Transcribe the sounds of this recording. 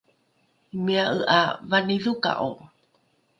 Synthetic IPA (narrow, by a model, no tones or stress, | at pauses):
imiaʔəʔavaniðuka̰ʔo